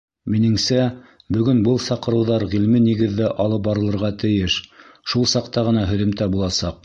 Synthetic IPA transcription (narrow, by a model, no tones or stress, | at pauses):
minɘ̆ŋsæ | bɵ̆ɡɵnbɤlˠsɑqɤ̆ɾɤ̆wðɑɾʁilmɘniɡɘ̆ðːɘʔɑlˠɤp̚bɑɾɤ̆lˠɤ̆ɾʁɑt̪ɘ̆jɘʃʃulˠsɑqt̪ɑʁɤ̆nɑɦɵ̆ðɘ̆mt̪æbulˠɑsɑq